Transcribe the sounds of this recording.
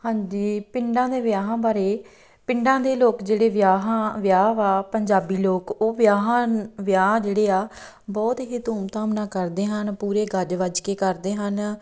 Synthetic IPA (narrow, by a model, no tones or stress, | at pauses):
hãːɲd͡ʒiːpɪɳɖãːd̪eːʋjaːɦãːbaːɾeː | pɪɳɖãːd̪eːloːkd͡ʒeːɽeːʋjaːɦãʋjaːʋaːpəɲd͡ʒaːbiːloːkoːʋjaːɦãʋjaːãd͡ʒeːɽeːaː | bɔːt̪ɦiːt̪uːmt̪ãːmnãːkəɾd̪eːɦənpuːɾeːɡəd͡ʒʋəd͡ʒkeːkəɾd̪eːɦən